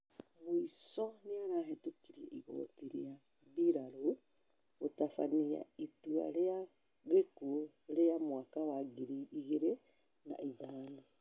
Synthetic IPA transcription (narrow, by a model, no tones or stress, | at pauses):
βwisɔneaɾahetukiɾiɛ̰ʔiɣo̰ːtiɾḭa | βiɾaɾo | ɣotafania̰itua̰ɾea | ɣeku | ɾeamwaːkawaɡiɾiiɣeɾe | na̰iðaːni